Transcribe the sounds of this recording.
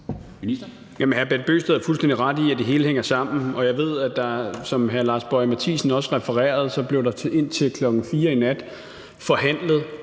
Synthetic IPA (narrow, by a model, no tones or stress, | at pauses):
jæmnhæɐb̥ed̥̚b̥ø̰ːsd̥eð̩ˠæɐfulsd̥endiʁɑ̈d̥iæd̥e̝ɦe̝ːləheŋ̰ɐsɑ̈m̰n̩ɒ̽jɑ̈ɪʋe̝ð̰ˠæd̥ɑ̈sɒ̽mɦæɐlɑ̈ːsb̥ɒɪmæt͡sʰḭːsn̩ɒ̽səʁɛfɐʁɛ̰ːɐð̞ˠsɒ̽b̥le̝ʊdɑ̈e̝n̰t͡sʰe̝lkʰlɒ̽ɡ̥n̩fiːɐinæd̥ | fɒ̽ɦæn̰ləð̩ˠ